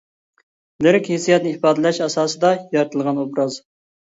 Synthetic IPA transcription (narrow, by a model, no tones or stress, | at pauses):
lɪɾɪkʲhesijɛt̪nɨipɑːd̪ɪlɛʃɑsɑːsɨd̪ɑjɑɾt̪ʰɨlˠʁɑnobɾɑz